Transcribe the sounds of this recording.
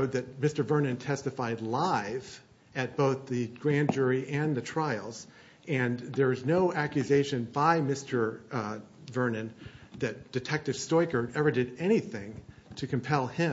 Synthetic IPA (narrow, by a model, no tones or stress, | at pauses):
ʊd̪̚ðɨt̚mɪstə˞vɜ̃˞nɨ̃ntʰɛstɨfaɪdˡlaɪv̥ | ɨt̚b̥oʊθðɨɡ̥ɹæ̃nd͡ʒʊɹiʔɨ̃nðɨtʰɹ̥aɪl̩ˠz̥ | ɨ̃nðə˞ɨznoʊækjɨzeɪʃɨ̃nbaɪmɪstʰə˞ | vɜ˞nɨ̃nðɨt̚d̥ɨtʰɛk̚tɨv̥stɔɪkə˞ɛvə˞dɨɾɛñiθɪ̃ŋtʰɨkʰɨ̃m̩pʰɛlˠɪ̃